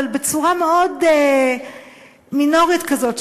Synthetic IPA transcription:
albet͡suʁameode | mino̞ʁit̪kazo̞t

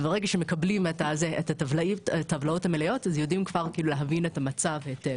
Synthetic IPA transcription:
beʁeɡaʃeme̞kablimetazeʔetatavlatavlao̞thamelejo̞tazjo̞dimkvaʁkiːluleɦavine̞tamat͡saveete

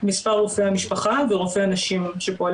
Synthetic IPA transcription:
mispaʁːofeamiʃpaχaveʁofeanaʃimʃepoal

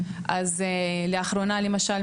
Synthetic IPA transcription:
ʔazeleaχɾo̞nale̞maʃal

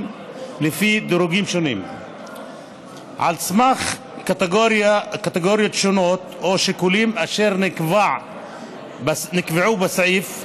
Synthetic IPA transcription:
lefid̪oɾuɡimʃo̞nim | ʕa̰lsmaχ | kat̪eɡoɾjot̪ʃonot̪oʃikulimaʃe̞ʁnvaʕ | nikveʕubesʕif

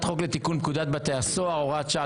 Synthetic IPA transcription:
t̪χokle̞t̪ikunpkud̪at̪̚bat̪easoaʁoʁat̪t͡ʃa

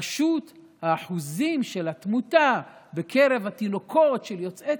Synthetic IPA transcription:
ʃut | haːħuzimʃelat̪mutabekʰeʁe̞vat̪ino̞kʰo̞tʃeljo̞t͡se

